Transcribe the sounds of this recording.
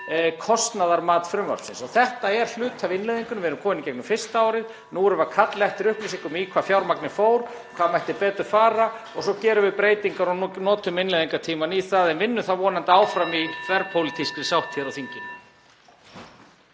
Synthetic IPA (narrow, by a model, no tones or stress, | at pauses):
kʰɔst̪naðaɾmaːt̪fɾʏmvœ̰lsɪnsɔɣθɛht̪aɛɾ̥l̥ʏːt̪ʰavɪnlɛðiŋkʏnvɪɛɾʏmkʰɔːmɪnɪicɛjknʏmfɪr̥st̪aawɾɪð | nuːɾɛvakʰat̪lɛht̪ɪɾʏhplɪsɪŋkʏmiːkʰvafjawɾmaknɪfoːwɾ̥ | ɔkʰvamajht̪ɪɾpɛːt̪ʏɾ̥faːɾa | ɔɣsɔcɛːɾʏvɪpɾeːjt̪iŋkaɾɔnɔːt̪ʏmɪnlɛðiŋkat̪ʰiːmaniθaðɛnvɪnːʏθavɔːnant̪aaːwfɾamiθvɛɾpʰowlit̪ʰiskɪ̥sawht̪ʰɛɾawθiɲcɪn